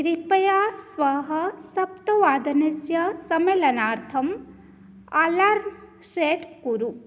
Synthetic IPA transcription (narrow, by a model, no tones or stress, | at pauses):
ɾipɐjaːsʋɐɦɐsɐp̚t̪ɐʋaːd̪ɐnesjɐsɐmeːlɐnaːɾt̪ʰɐm | alaːɾm | ʃeːʈkuɾu